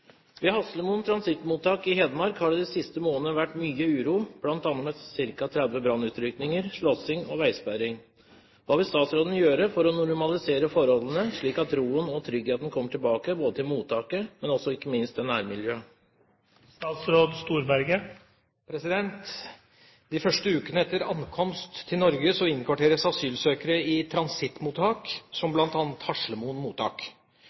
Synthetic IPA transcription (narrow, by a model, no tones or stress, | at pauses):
ʋɛhɑsləmuːnt̪ʰɾɑnsɪt̪muːt̪ɑːkɪɦɛːd̪əmɑɾkhɑɖɛd̪ɛsɪst̪əmoːnəʋæʈːmyːəʉːɾuːb̥lɑnt̪ɑnmət̪sɪɾkɑt̪ʰɾɛd̪ʋəbɾɑnːʉːt̪ɾʏknɪŋəɾʂɭɔsɪŋɔʋæɪspæɾɪŋ | ʋɑːʋɪlst̪ɑːt̪sɾoːd̪n̩jøːɾəfɔɾɔnʊɾmɑlɪseːɾəfɔɾɔlːən̩əʂɭiːkɑt̪ɾuːənɔt̪ʰɾʏɡheːt̪n̩kʰɔmːəʈʰɪlbɑːkəboːd̪ət̪ʰɪlmuːt̪ʰɑːkəmɛnɔsɔɪkːəmɪnst̪ɛnæːɾmɪljøː | st̪ɑːt̪sɾoːd̪st̪uːɾbæɾɡə | pʰɾɛsɪd̪ɛnt̪ | d̪ɪfœʂʈəʉːkənəɛt̪ːəɾɑnkʰɔmst̪ʰːɪlnɔɾɡəsɔɪnːkʰʋɑʈeːɾəsɑsyːlsøːkəɾəɪt̪ʰɾɑnsɪt̪ːmuːt̪ʰɑːksɔmblɑnt̪ɑːnət̪hɑʂɭəmuːnmuːt̪ɑ̰ːk